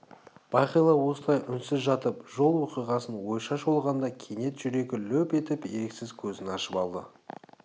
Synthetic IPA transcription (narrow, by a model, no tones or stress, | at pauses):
b̥ɑjqijlˠɑwo̞səlˠɑjʔʏnsɪzʒɑt̪əpʒo̞lˠwoqijʁɑsənwo̞jʃɑʃo̞lˠʁɑnd̪ɑkʲʰene̞t̪ʒ̥ʏɾe̞ɡʲɪlɵpe̞t̪ɪpe̞ɾeksɪzkʲʰɵzɪnɑʃəpɑlˠd̪ə̰